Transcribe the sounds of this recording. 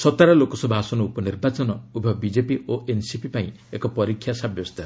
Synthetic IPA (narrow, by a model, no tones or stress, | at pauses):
sɔt̪aɾɔlokɔsɔbʱasɔnɔupɔniɾbat͡ʃɔnɔubʱɔbid͡ʒepiʔoʔensipipaĩ | ekɔpɔɾikʰːjasabjɔst̪ʰa